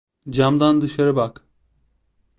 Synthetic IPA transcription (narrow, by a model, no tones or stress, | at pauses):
d͡ʒamd̪and̪ɯʃaɾɯbak